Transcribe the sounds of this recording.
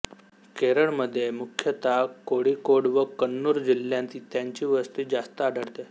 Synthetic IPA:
keɾəɭməd̪ʱːjemukʰjət̪akoɽikoɽʋəkənːuɾd͡ʑilːjãnt̪iːt̪jaɲt͡ɕiːʋəst̪iːd͡zast̪əaɖʱəɽt̪e

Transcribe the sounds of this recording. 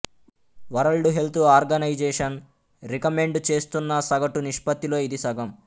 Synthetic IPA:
ʋɐɾɐɭɖuɦe̞lt̪uaːɾɡɐnɐjd͡ʒeːʂɐn | ɾikɐme̞ɳɖt͡ʃe̞ːst̪unːɐsɐɡɐʈuniʂpɐt̪ːilo̞ːid̪isɐɡɐm

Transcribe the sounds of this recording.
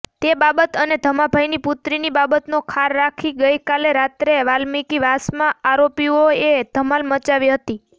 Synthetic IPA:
t̪ebabət̪əned̪ʱəmabʱajniput̪ɾinibabət̪nokʰaɾːakʰiɡəjkaleɾat̪ɾeʋalmikiʋasmãaɾopioed̪̥ʱəmalmət͡ʃaʋiɦət̪i

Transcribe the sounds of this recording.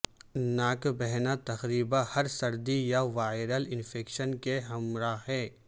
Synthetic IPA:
naːkbɛɦnat̪ɐxɾiːbahɐɾsɐɾd̪ijaʋaːɪɾəlɪnfʰeːkʃənkeɦɐmɾaɦɛː

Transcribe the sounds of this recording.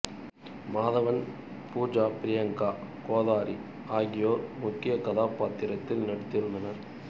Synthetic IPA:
maːðɐʋɐn | puːd͡ʒaːpɪɾɪjɐŋkaːkoːðaːɾi | aːɣɪjoːɾmʊkːɪjɐkɐðaːpaːt̪ːɪɾɐt̪ːɪlnɐɽɐt̪ːɪɾɯnd̪ɐnɐɾ

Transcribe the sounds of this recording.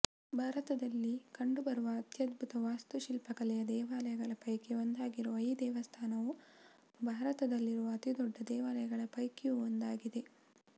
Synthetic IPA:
bʱaːɾɐt̪ɐd̪ɐlːikɐɳɖubɐɾuʋɐːt̪jɐd̪bʱut̪ɐʋaːst̪uʃilpɐkɐlɛjɐd̪ɛːʋaːlɐjɐɡɐɭɐpɐjkeond̪aːɡiɾuʋɐjd̪ɛːʋɐst̪ʰaːnɐʋu | bʱaːɾɐt̪ɐd̪ɐlːiɾuʋɐːt̪id̪ɔɖːɐd̪ɛːʋaːlɐjɐɡɐɭɐpɐjkejuond̪aːɡid̪e̞

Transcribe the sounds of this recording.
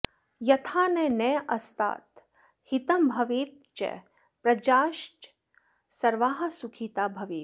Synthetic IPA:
jɐt̪ʰaːnenɛːʔɐst̪a̰ːt̪ | hit̪ɐmbʱɐʋiːt̪̚ | t͡ʃḛ | pɾɐd͡ʒaːʃʈ | sɐɾʋaːɦɐsukʰit̪aːbʱɐʋiː

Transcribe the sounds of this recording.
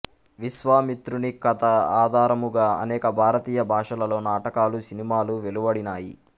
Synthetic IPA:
ʋiʃʋaːmit̪ɾunikɐt̪ɐaːd̪ʱaːɾɐmuɡaːɐ̰nɛːkɐbʱaːɾɐt̪iːjɐbʱaːʂɐlɐlo̞ːnaːʈɐkaːlusinimaːluʋe̞luʋɐɽinaːjḭ

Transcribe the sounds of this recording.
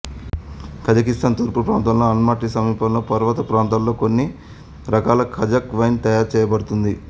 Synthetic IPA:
kʰɐd͡ʒɐkist̪aːnt̪uɾpupɾaːnt̪ɐlloːɐnmaːʈisɐmiːpɐllo̞ːpɐɾʋɐt̪ɐpɾaːnt̪ɐːlo̞ːkonːi | ɾɐkaːlɐkʰɐd͡ʒɐkʋɐjnt̪ɐjaːɾt͡ʃɛːjɐbɐɽut̪und̪i

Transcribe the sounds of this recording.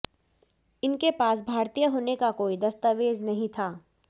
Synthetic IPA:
ɪnkepaːs̬bʱaːɾt̪ijəɦoːnekakoːid̪ɐst̪əʋeːd͡ʒnɐɦĩt̪ʰaː

